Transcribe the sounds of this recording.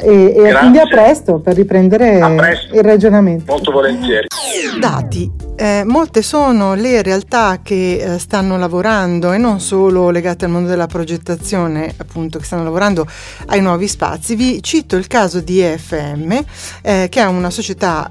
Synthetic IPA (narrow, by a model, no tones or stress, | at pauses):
ekind̪iapːɾɛst̪operːipɾɛnd̪eɾeɛsirad͡ʒonament̪molt̪ovolent̪jɛːɾid̪a̰ːt̪imolt̪esoːnoleɾealt̪ak̟ːest̪anːolavoɾand̪oenːonsoːloleɡaːt̪ealmond̪od̪elapɾod͡ʒet̪ːat̪sːjoːneapːunt̪oke̥st̪anːolavoɾand̪o | ajnwɔːvispa̰t̪sːivit͡ʃit̪oilkaːzod̪iɛfːeɛmːek̟eɛunasot͡ʃet̪a